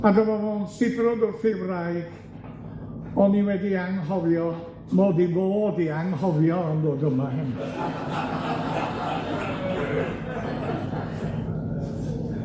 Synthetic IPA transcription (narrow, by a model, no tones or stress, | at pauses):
adəmavɔnsɪbrɔdɔrfɪvrajɡ̥ | ɔniwɛdiaŋɦɔvjɔ | moːdiboːdiaŋhɔvjɔənboːdəmaɦɛn